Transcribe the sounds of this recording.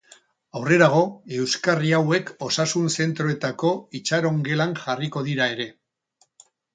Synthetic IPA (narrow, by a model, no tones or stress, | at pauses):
awre̞ɾaɣ̞o̞e̞wskariawe̞ko̞sasunse̞nt̪ɾo̞e̞t̪ako̞it͡ʃaɾo̞ŋɡe̞laŋʝariko̞ðiɾae̞ɾe̞